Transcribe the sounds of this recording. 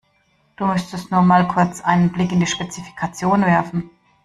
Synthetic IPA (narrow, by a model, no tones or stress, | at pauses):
d̥uːmʏstəstnuːɐmaːlkʰʊɐt͡sʔaɪnənblɪkɪndiːʃpet͡sifi̥kʰat͡sjoːnvɛɐfn̩